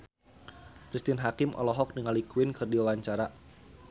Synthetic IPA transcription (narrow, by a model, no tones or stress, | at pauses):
kɾist̪ɪnɦakɪmʔɔ̰lɔɦɔk̚dəŋalikwɪnkɨrdiwawaɲt͡ʃaɾa